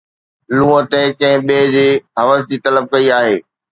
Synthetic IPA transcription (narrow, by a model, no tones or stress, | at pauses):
lũːə̃t̪ẽkɐ̃ɦɪ̃ɓeːd͡ʑeːɦɐʋəsd͡ʑiːt̪ɐləb̚kɐiaːɦeː